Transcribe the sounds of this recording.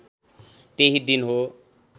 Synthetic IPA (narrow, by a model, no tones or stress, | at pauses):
t̪eɦid̪inɦo